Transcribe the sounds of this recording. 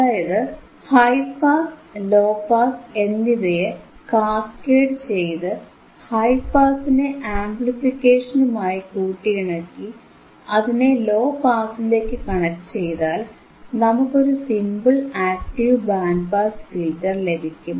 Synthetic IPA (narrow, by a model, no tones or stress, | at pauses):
ɐðaːjɐðɨ | hɐjpaːslo̞ːpaːse̞nːiðejekaːskeːɖt͡ɕe̞jt̪ɨ | hɐjpaːsineʔaːmplifikʲːeːʂɐnumaːjikuːʈːiɣiɳɐkːi | ɐðinelo̞ːpaːsile̞ːkːɨkɐɳɐkːt͡ɕe̞jðaːl | nɐmukːo̞ɾusimbɨɭaːk̚ʈiʋbaːnpaːskiːtːɐrle̞bʱikʲːum